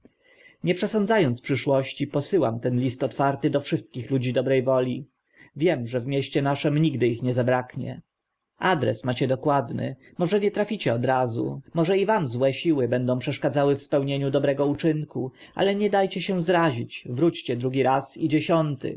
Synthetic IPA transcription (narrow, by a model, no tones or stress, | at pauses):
ɲɛpʂɛsɔnd̪zajɔnt̪spʂɘʂwɔɕt͡ɕipɔsɘwamt̪ɛnlʲist̪ɔt̪faɾt̪ɘd̪ɔfʂɘst̪̚kʲixlud͡ʑid̪ɔbɾɛjvɔlʲi | vʲjɛmʐɛvmʲjeɕt͡ɕɛnaʂɛmɲiɡd̪ɘixɲɛzabɾakɲɛ̰ | ʔad̪ɾɛ̰smat͡ɕɛd̪ɔkwad̪nɘ̰ | mɔʐɛɲɛt̪ɾafʲit͡ɕɛɔd̪ɾazṵmɔʐɛivamzwɛɕiwɘbɛnd̪ɔ̃w̃pʂɛʂkad̪zawɘfspɛwɲeɲud̪ɔbɾɛɡɔut͡ʂɘŋku | ʔa̰lɛɲɛd̪ajt͡ɕɛɕɛ̃zɾaʑit͡ɕvɾut͡ɕt͡ɕɛd̪ɾuɡʲiɾasid͡ʑeɕɔnt̪ɘ̰